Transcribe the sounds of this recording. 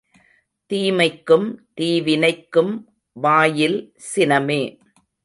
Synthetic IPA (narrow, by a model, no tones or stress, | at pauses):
t̪iːmɐɪkːɯmt̪iːʋɪnɐɪkːɯm | ʋaːjɪl | sɪnɐmeː